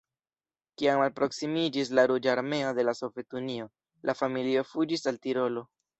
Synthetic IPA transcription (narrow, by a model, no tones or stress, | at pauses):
kiamalpɾo̞ksimid͡ʒislaɾud͡ʒaːɾme̞o̞de̞laso̞vje̞tunio̞ | lʔafamilio̞fud͡ʒisaltiɾo̞lo̞